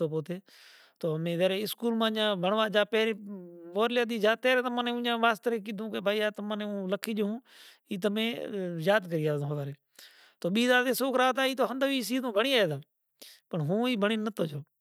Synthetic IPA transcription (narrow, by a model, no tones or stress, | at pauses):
oːpoːt̪eː | t̪oːmẽːzeːɾeːɪskuːlmãːɲãːbʱəɳʋaːd͡ʒaːpeːɾeːʋoːɾljaːd̪iːd͡ʒaːt̪eːɾeːt̪əmãːnẽũːɲãːʋaːst̪əɾekid̪ʱũːkeːbaːiːaːt̪əmanẽːũːləkʰiːd͡ʒɦũː | iːt̪̬əmẽːjaːd̪k̬əɾiːaːõːɦʋaːɾeː | t̪oːɓiːzaːd̪eːsoːkɾaːt̪aːiːt̪oːɦənd̪əːʋiːsiːd̪ũːbʱəɳiːaːeːd̪aː | pəɳɦũːiːbʱəɳiːnət̪oːd͡ʒoː